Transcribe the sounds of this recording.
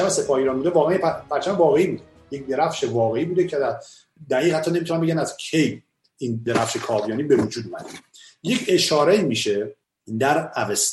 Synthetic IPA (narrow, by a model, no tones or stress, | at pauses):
æmese̞pʰɒːheiːɾɒːnbuːd̪evɒːɣeænjebæɾt͡ʃʰæmvɒːɣeiːbuːd̪e | jec̚d̪eɾæfʃe̞vɒːɣe̞iːbuːd̪ecʰeæ | d̪æiːɣhæt̪ʰːɒːnemit̪ʰunæmbe̞ɟænæzcʰej | ind̪eɾæfʃekʰɒːvijɒːnibe̞vud͡ʒuːd̪umæ̰d̪eje̞cʰe̞ʃɒːɾeiːmiːʃe | d̪æɾæves